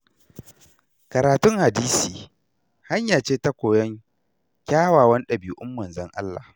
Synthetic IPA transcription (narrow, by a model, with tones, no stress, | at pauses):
kɐ˨ɾaː˨tʊ˦ŋha˨diː˦siː˨ | ha˦ɲjaː˨t͡ʃeː˦ta˦kʷoː˨jɐ˦ŋ | kʲaː˦waː˨wɐ˦nɗɐ˨bi˨ʔʊ˦mːɐ˨nzɐ˦ŋʔa̰˦lːa̰˨